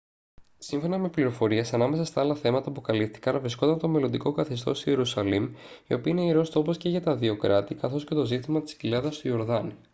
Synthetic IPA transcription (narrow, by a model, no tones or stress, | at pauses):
siɱfo̞nɐme̞pliɾo̞fo̞ɾiesɐnɐme̞sɐst̪ɐɐlɐθe̞mɐt̪ɐpukɐlift̪i̥kɐnvɾisko̞nd̪ɐnt̪o̞me̞lo̞nd̪iko̞kɐθest̪o̞st̪ie̞ɾusɐlimḭo̞piɐineiɾo̞st̪o̞posce̞ʝɐt̪ɐðio̞kɾɐt̪ikɐθo̞sce̞t̪o̞zit̪imɐt̪i̥scilɐðɐst̪uo̞ɾðɐni